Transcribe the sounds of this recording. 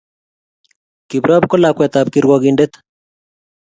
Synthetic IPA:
ki˨bɾa˦bkɔ˦la˨kwɛ˨t̪aː˨p̚kiɾwɔɣinde˦t̪

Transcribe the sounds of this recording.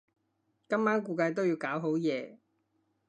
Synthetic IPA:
kɐ˥mːaː˥nkuː˧kɐ˧jt̪o˥wjiː˧wkaː˨˥wɦo˨˥wjɛː˨˧

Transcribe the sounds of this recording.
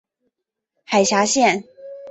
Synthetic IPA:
xa˨˩ɪɕja˧˥ɕjɛ˥˨n

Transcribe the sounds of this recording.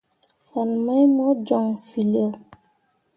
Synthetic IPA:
fa˨n˨ma˦jmɔ˦d͡ʒɔ˨ŋfi˨lə˦˨

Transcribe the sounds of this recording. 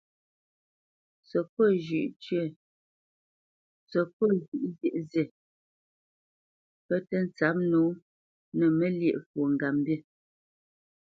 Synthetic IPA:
sə˨pɔ˦˨ʒʉ˨ʔt͡ʃɥə˦˨ | sə˨pɔ˦˨d͡ʒʉ˨ʔzje˨ʔze˨ | pɛ˦tɛ˦n̩˦t͡sa˨˦p̚nu˨˦ | nə˨mə˦ljɛ˦˨ʔfu˨ŋ˨ɡa˨mbje˦˨

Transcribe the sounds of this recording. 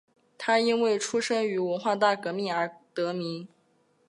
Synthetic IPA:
t̪ʰa˥i˥nwe˥˩ɪʈ͡ʂʰu˥ʂɤ˥ŋy˧˥wə˧˥nxwa˥˧t̪a˥˩kɤ˧˥mi˥˩ə˞˧˥t̪ɤ˧˥mi˧˥ŋ

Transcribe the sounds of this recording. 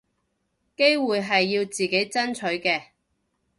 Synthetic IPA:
ke˥jwuː˨jɦɐ˨jːiː˧wt͡siː˨ke˨˥jt͡sɐ˥nt͡ʃʰɵ˨˥ɥkɛː˧

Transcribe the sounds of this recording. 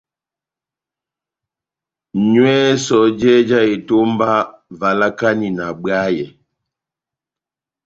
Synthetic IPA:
ɲwɛ˦sɔ˨˦d͡ʒɛ˦d͡ʒa˦e˨to˦m˦ba˦ | va˨la˦ka˦ni˨na˨bɰa˦jɛ˨

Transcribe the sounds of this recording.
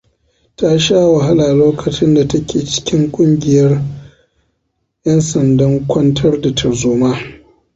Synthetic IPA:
ta˦ʃaː˦wa˨ɦa˦laː˨loː˦kʰɐ˨t͡ʃɪ˦nda˨tɐ˦kʲʰeː˨t͡ʃɪ̥˦kʲɪ˦ŋkʷʼʊ˦ŋɡʲɪ˨jɐ˦r | jʔɐ˦nsɐ˨ndɐ˦ŋkʷʰɔ˦ntʰɐ˦rda˨tʰɐ˨rzuː˦maː˦

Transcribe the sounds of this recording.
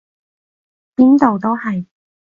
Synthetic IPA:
piː˥nt̪o˨wt̪o˥whɐ˨j

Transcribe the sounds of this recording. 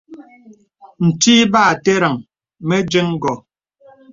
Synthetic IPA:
n̩˨ti˦baː˦˨te˦ɾa˨ŋ | me˦d͡ʒe˦ŋ˦ɡɔ˨

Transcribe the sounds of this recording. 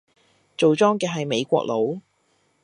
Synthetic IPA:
t͡so˨wt͡sɔː˥ŋkɛː˧ɦɐ˨jme˨˧jkʷɔ̰ː˧k̚lo˨˧˥w

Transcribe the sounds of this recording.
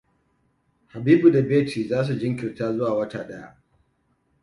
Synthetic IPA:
ha˨biː˦bu˨da˨beː˦tʰiː˨zaː˦s̬u˨d͡ʒɪ˦ŋkʲɪ˨rtaː˦zʊ˦waː˨wɐ˦taː˨ɗɐ˦ja̰˦ʔ

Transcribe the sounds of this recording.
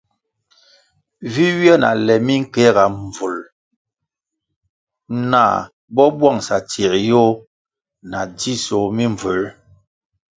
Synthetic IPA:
vi˦wjɛ˦na̰˨lɛ˨mi˦ŋ̩˦kɛ˦ɣa˨ɱ˨vu˨l | na̰˦˨ | bɔ˦bwa˦˨ŋsa˨ti˨ɾjo˦ | na˨di˦so˨mi˦ɱvə˨l

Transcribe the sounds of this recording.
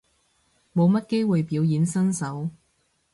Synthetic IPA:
mo˨˧wmɐ˥t̚ke˥jwu˨jpiː˨˧wjiː˨˥nsɐ˥nsɐ˨˥w

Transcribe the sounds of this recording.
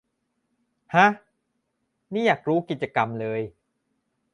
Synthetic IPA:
ha˦˥ | niː˥˩jaː˨˩k̚ɾuː˦˥ki˨t̪̚t͡ɕa˧ka˧mlɤː˧j

